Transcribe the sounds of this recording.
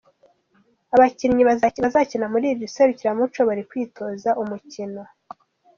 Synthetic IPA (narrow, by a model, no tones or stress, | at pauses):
aβaciɾɲiβazβazacinamuɾiːiseɾuciɾamut͡ʃo̞βaɾikwiːtʰo̞ːzaʔumucino̞